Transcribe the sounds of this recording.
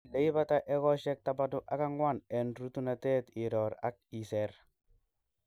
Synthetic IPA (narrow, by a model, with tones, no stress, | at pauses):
le˨˦i˦ba˦ta˦ʔɛ˦kɔ˦ʃɛ˦k̚tabadʊ˦ʔaka˦ŋwa˦nɛ˨nɾutu˦na˨tɛ˦tɪ˨ɾɔɾa̰˦k̚i˨sɛɾ